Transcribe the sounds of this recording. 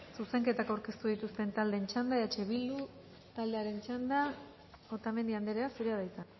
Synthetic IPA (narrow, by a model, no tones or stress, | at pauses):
suse̞ŋke̞t̪akawɾke̞st̪uð̞it̪ust̪e̞nt̪ald̪e̞nt͡ʃand̪ajat͡ʃe̞βild̪u | t̪ald̪e̞aɾe̞nt͡ʃand̪a | ot̪ame̞nd̪iand̪eɾeasuɾeaðajt͡s̪a